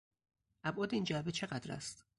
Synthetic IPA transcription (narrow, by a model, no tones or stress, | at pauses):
ʔæbʔɒːd̪eiːnd͡ʒæbet͡ʃʰe̞ɢæd̪ɾæ̰st̪